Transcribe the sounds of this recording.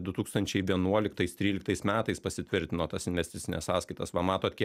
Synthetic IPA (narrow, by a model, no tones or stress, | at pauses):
d̪ʊt̪uːkst̪ɐnʲt͡ʃʲɛɪʋʲiɛnuɔlʲɪkt̪ɐɪst̪ʲɾʲiːlʲɪk̚t̪ɐɪsmʲæːt̪ɐɪspɐsʲɪt̪ʲʋʲɪɾʲt̪ʲɪnoːt̪ɐsɪnʲʋʲɛsʲt̪ʲɪt̪sʲɪnʲɛ̰ssɑːskɐɪt̪ɐsʋɐmɑːt̪oːt̪kʲiɛk